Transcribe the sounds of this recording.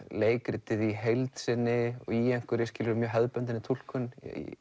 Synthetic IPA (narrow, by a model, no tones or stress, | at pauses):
leːjkɾɪt̪ɪðiɦejlt̪sɪnːɪɔ̰ɣiɛjŋ̥kʏɾɪscɪːlʏɾʏmjœːɦɛðpœnt̪̬ɪnɪt̪ʰul̥kʏnḭ